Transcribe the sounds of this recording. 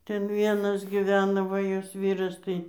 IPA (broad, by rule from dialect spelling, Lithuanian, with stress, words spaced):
ˈtʲɛn ˈʋʲiɛnɐs ɡʲɪˈʋʲæːnɐ ˈʋɐ ˈjoːs ˈʋʲiːrɐs tɐɪ